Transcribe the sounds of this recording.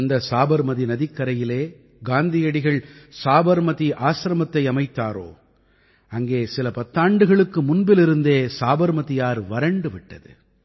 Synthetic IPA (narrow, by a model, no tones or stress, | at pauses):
ɐnd̪ɐsaːbɐɾmɐðinɐðɪkːɐɾɐjɪleː | ɡaːnd̪ɪjɐɽɪɣɐɭsaːbɐɾmɐðiʔaːsɾɐmɐt̪ːɐɪɐmɐɪt̪ːaːɾo̰ː | ɐŋɡeːsɪlɐpɐt̪ːaːɳɖɯɣɐɭɯkːɯmʊnbɪlɪɾɯnd̪eːsaːbɐɾmɐðɪjaːɾʋɐɾɐɳɖɯʋɪʈːɐ̰ðɯ̰